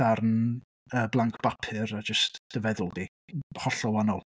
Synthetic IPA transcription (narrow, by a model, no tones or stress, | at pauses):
arn | əːblˠaŋkʰb̥apʰɨɾad͡ʒəstd̥əvɛðʊlˠdi | hɔɬɔlanɔlˠ